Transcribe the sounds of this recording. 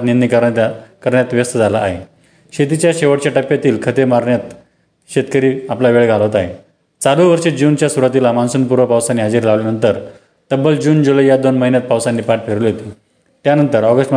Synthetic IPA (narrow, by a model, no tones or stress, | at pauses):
t̪nind̪ikəkəɾɳjat̪ʋjəst̪əd͡zʱalaːɦe | ɕet̪it͡ɕjaɕeʋəʈ̚t͡ɕjaʈəpjat̪iːlkʰət̪emaɾɳjat̪ | ɕet̪kəɾiːaplaʋeɭɡʱalʋot̪aɦe | t͡saluʋəɾɕed͡ʑuːnt͡ɕjasuɾat̪̬ilamansuːnpuɾʋəpawsaniɦad͡ziːɾlaʋljanənt̪əɾ | t̪əbːəld͡ʑuːnd͡ʑoləjad̪onməɦinjat̪̚pawsanɖipaʈ̚pʰeɾuliɦot̪o | t̪janənt̪əɾɔɡəsʈm